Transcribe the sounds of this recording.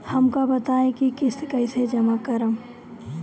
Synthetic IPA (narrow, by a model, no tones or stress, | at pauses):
hɐmkabɐt̪aːẽkikɪskɐɪsed͡ʒɐmakəɾəm